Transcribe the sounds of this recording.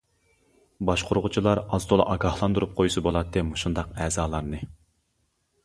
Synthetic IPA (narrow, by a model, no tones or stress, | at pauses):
bɑʃqʰoɾʁʊt͡ʃʰilˠɑɾɑzd̪olˠɑ̰ʔɑɡɑhlˠɑnd̪uɾup̚qʰojusɨbolˠɑt̪ʰːɨmuʃund̪ɑqɛːzɑːlˠɑɾnɨ